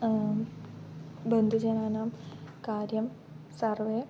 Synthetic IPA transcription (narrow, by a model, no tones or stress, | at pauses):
bɐnd̪ʱud͡ʑɐnaːnaːmkaːɾjɐm | sɐrʋeː